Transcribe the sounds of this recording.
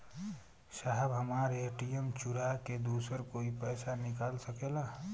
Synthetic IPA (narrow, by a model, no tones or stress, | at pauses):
ʃaːɦɛbɦəmaːɾeːʈijəmt͡ʃʊɾaːked̪uːsəɾkoːipɛːsanɪkaːlsəkeːla